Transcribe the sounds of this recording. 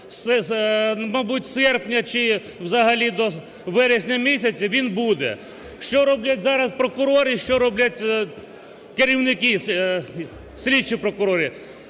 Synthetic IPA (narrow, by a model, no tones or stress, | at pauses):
sɛ | mɐbutʲsɛrpnʲɐt͡ʃɪ | wzɐɦɐlʲid̪ɔ | ʋɛɾɪsʲnʲɐmʲisʲɐt͡sʲɐʋʲinbud̪ɛ̰ | ʃt͡ʃɔɾɔblʲɐtʲzɑɾɐspɾɔkʊɾɔɾɪʃt͡ʃɔɾɔblʲɐtʲ | keɾʲiwnɪki | sʲlʲit͡ʃipɾɔkʊɾɔɾʲi